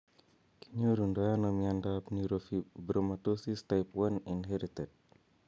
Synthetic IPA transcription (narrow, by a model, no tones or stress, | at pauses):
ki̥ɲoɾundɔjanɔmiandapniɾofibɾomatosistajpwaninɦeɾitɛd̚